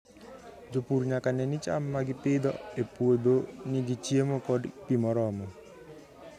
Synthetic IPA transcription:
d͡ʒopuɾɲakanɛnɪt͡ʃa̰mːaɡɪpɪd̪ɔ̰epwod̪onɪɡit͡ʃjemokɔdpimɔɾɔmɔ

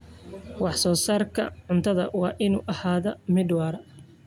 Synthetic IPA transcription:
wɑħsɔːsaːrkʰɐ̰ʕʊnt̪ʰɐðɐwɑːʔɪnṵːʔɐhaːðɐmɪd̪wɑːɾɐ

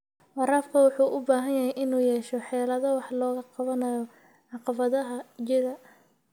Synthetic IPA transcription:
wɑɾaːfkʰɐwɑħuːʔʊbaːɦɐnjɐɦɛjʔɪnuːjɛːʃɔħɛːlɐðɐwɑħlɔːɣɐqɑβɐnɐjɔ | ʕɑqɑβɐðɐɦɐd͡ʒɪɣɐ

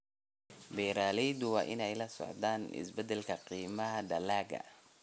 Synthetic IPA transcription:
bɛjɾaːlɛjd̪ʊwɑːʔɪnɛjlɐsɔ̰ʕd̪aːnɪ̰sbɛd̪ɛlkʰɐqiːmɐɦɐd̪ɐlaːɡɐ̰

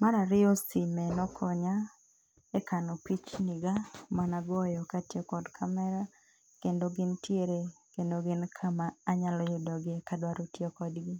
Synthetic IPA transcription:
maɾaɾɪɔsimɛnɔkʰɔɲa | ɛkanopit͡ʃniɡamanaɡɔjɔkatjekɔdkʰamɛɾa | kendoɡɪntjeɾekendoɡɪnkʰamaːɲalɔjʊdɔɡɪkadwaɾotjekɔdɡɪ

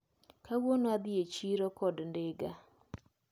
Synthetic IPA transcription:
kawonoad̪iet͡ʃiɾɔkɔdndeɡa

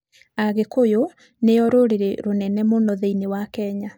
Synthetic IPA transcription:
aɣekojo | neɔɾoɾeɾeɾonɛnɛmonɔðeinewakɛɲa

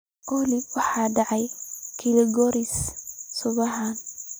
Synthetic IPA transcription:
ʔɔliwɑħɑːɖɑʕɑjkʰɪlɪɡɔɾɪssʊβɐɦaːn

